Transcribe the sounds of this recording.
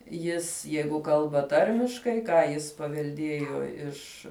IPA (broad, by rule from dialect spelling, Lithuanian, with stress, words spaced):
ˈjɪs ˈjɛɪɡʊ ˈkɐlˠbɐ ˈtɐrʲmʲɪʃkɐɪ ˈkɑː jɪs pɐʋʲɛlʲˈdʲiɛjoː ˈɪʃ